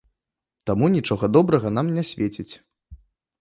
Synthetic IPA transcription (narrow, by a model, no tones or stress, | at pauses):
t̪amunʲit͡ʂɔɣɐd̪ɔbɾɐɣɐnamnʲasʲvʲet͡sʲit͡sʲ